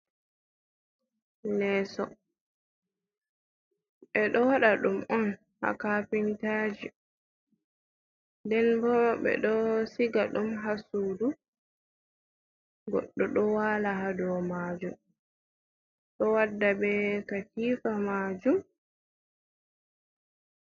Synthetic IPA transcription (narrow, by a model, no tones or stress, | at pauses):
lɛːsɔ | ɓɛɗɔwaɗaɗumɔn | ha̰kapintaːd͡ʒi | ndɛnbɔɓɛ̰ɗɔsiɡaɗumɦasuːdu | ɡɔ̰ɗːɔɗɔwaːlaɦadɔwmad͡ʒum | ɗɔwadːabɛkakiːfamaːd͡ʒum